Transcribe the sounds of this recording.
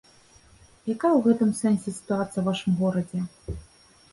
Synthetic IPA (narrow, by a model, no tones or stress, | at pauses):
jakajɐwɣɛt̪ɨmsɛnsʲɛsʲi̥t̪uat̪sɨjɐwvaʂɨmɣɔɾɐd͡zʲɛ